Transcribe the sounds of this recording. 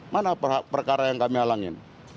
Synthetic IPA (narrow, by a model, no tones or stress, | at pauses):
manapəɦapərkaɾajaŋkamialaŋɪ̰n